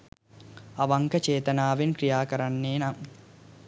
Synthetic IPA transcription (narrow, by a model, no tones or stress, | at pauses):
ɐʋɐŋkɐt͡ʃeːt̪ɐnaːʋinkɾijaːkɐɾɐnːeːnam